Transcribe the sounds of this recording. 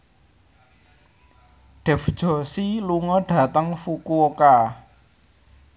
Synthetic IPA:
ɖ̥ɛ̤fd̥ʒ̥ɔ̤siluŋɔɖ̥ä̤t̪əŋfukuoka

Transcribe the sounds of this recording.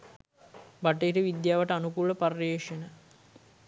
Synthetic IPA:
baʈːəiɾəʋid̪jaːʋɐʈəanukuləparreːʂenə

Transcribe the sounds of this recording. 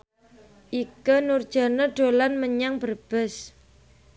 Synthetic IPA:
ʔikunurd̥ʒ̥a̤nəɖ̥o̤lanməɲaŋbərb̥əs

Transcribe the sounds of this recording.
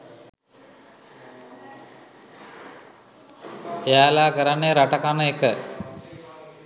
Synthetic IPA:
ejaːlaːkəɾanːeɾaʈəkanəekə

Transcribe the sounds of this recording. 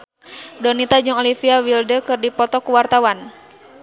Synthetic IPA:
dɔnit̪ad͡ʒuŋɔlifiawildəkɨrdipɔt̪ɔkuwart̪awan

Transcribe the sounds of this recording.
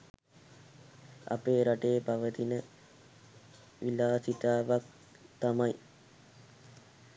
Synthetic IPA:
a̰peːɾaʈejːpaʋət̪inə | ʋilaːsit̪aːʋak̚ | t̪amaj

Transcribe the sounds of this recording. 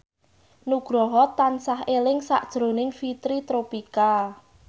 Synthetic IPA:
nuɡ̥ɾɔɦɔt̪ːansaɦelɪŋsa̰ʔd̥ʒ̥ɾo̤nɪŋfit̪ɾit̪ɾopika

